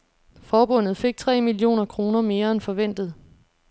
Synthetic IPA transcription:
fɒːb̥ɔ̽n̰ð̞̩ˠfe̝ɡ̥̚t͡sʰʁɛ̰ːmilio̝̰ːnɐkʰʁo̝ːnɐme̝ːɐenfɒ̽ʋen̰d̥ð̞̩ˠ

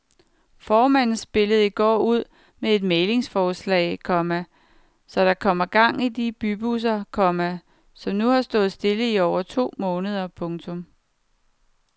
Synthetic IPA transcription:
fɒːmæn̰n̩sb̥e̝ləð̞̩ˠiɡ̥ɒ̰ːuð̞̰ˠ | mee̝d̥meːle̝ŋsfɒːslɛ̰ːɪkʰɒ̽mæ | sɒ̽ɾ̥ɑ̈kʰɒ̽m̰ɐɡ̥ɑ̈ŋ̰id̥ib̥yb̥us̬ɐkʰɒ̽mæ | sɒ̽mnuhɑ̈sd̥ɔ̽ːð̩ˠsd̥e̝ləiɒʊɐt͡sʰo̝̰ːmɔ̽ːnəð̞ˠɐpʰɔ̽ŋt͡sʰɔ̽m

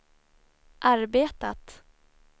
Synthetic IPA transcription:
ʔaɾbeːt̪at̪

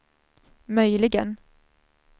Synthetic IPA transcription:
mœjlɪɡən

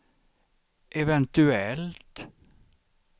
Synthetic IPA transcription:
ʔɛʋɛnt̪ʉɛlt̪

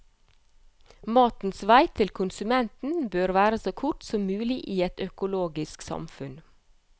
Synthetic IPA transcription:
mɑːt̪n̩sʋæɪt̪ʰɪlkʰʊnsʉmɛnt̪n̩bøːɾʋæːɾəsoːkʰʊʈsɔmmʉːlɪʔiːɛt̪œkʊloːɡɪsksɑ̰mfʉn

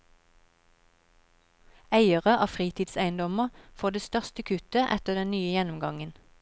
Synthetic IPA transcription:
æɪəʁəʔɑːfʁiːt̪ʰiːd̪sæɪənd̪ɔməʁfoːʁd̪eːst̪œʁst̪əkʰʉt̪əʔɛ̰t̪əd̪ɛnnyːəjɛnʊmɡɑŋən

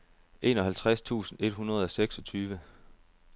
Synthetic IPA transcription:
ʔe̝ːnɒ̽ɦælt͡sʰʁast͡sʰṵːsn̩e̝d̥ɦunɐð̞̩ˠɒ̽seɡ̥sɒ̽t͡sʰyːʋə

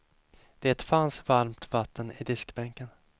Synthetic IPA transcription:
d̪̥ɛæɛt̪fansvaɾmt̪vat̪ːənɪ̰d̪ɪskbɛŋkən

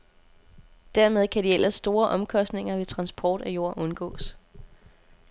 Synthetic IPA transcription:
d̥æɐmeð̞ˠkʰæɾ̥ielʔɐsːd̥o̝ːɐʔɒ̽mkʰɒ̽sd̥ne̝ŋɐʋe̝t͡sʰʁɑ̈nsb̥ʰɒːd̥æjo̝ɐ̰ʔɔ̽nɡ̥ɔ̰̽ːs

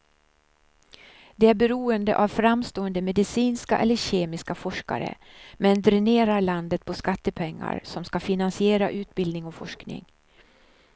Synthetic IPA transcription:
d̪̥ɛæɾbɛɾuːənd̪əʔavfɾamːst̪oːənd̪əmɛd̪ɪsiːnskaʔɛ̰lːəɕeːmɪskafɔʂka̰ɾə̰ | mɛnd̪ɾɛneːɾaɾɭand̪ət̪̚pʰɔskat̪ːəpʰɛŋːa̰ɾsɔmskafɪnansɪeːɾaʔʉ̟ːt̪bɪld̪nɪŋɔfɔʂknɪ̰ŋ

